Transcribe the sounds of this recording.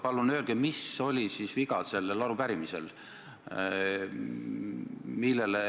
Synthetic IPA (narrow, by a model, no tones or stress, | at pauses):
pɑlːunø̞ːlɡ̥emiso̞lʲisisviɡ̥ɑse̞lːelːɑɾupæɾimisḛl | milːe̞le